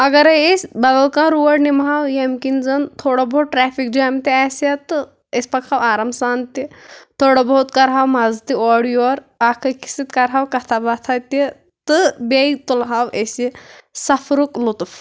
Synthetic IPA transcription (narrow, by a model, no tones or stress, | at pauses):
ɐɡɐɾɐesʲbɐd̪ɐlkãːɾuʋɐɽnimɦawjemkinzɐnt̪ʰoːɽobouʈɾɛːfik̚d͡ʒaːmt̪iasɐt̪ɨ | espɐkʰawaːɾɐmsaːnt̪it̪ʰoːɽobɐɦut̪kɐɾɦawmazt̪iɔːɽijoɾ | akʰɐki̥sit̪kɐɾɦaːwkɐt̪ʰabɐt̪ʰat̪i | t̪ɨbejit̪ulɦawesisɐfʰɾuklut̪uf